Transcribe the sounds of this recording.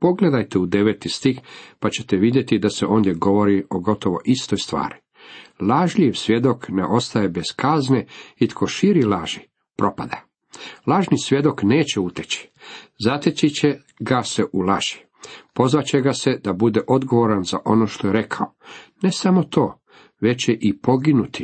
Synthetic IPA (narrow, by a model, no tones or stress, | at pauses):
po̞ɡle̞d̪ajt̪eud̪e̞ʋeːt̪ist̪ixpat͡ɕe̞̥t̪eʋid̪je̞t̪id̪aseʔo̞ːnd̪jeɡo̞ʋo̞ɾio̞ɡo̞t̪o̞ʋo̞̰ʔist̪o̞jst̪ʋa̰ːɾi | laʒʎiʋsʋje̞d̪o̞knḛʔo̞st̪ajebez̥kazneit̪kʰo̞ʃiɾilaːʒi | pɾo̞pad̪a | lˠaʒnisʋje̞d̪o̞kneːt͡ɕeut̪et͡ɕi̥zat̪et͡ɕit͡ɕe | ɡaseʔulˠaʒ̥i̥ | po̞zʋat͡ɕeɡase̞d̪abud̪e̞ʔo̞d̪ɡo̞ʋo̞ɾanzaʔo̞no̞ʃt̪o̞je̞ɾe̞kʰaone̞samo̞t̪ʰo̞ː | ʋe̞t͡ɕeʔipo̞ɡinut̪i̥